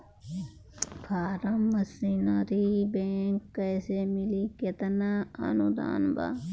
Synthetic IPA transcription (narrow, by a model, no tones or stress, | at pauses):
pʰaːɾəmːɐsinaɾibeːŋkːɛːsemɪliket̪naɐ̰nud̪a̰ːnba̰ː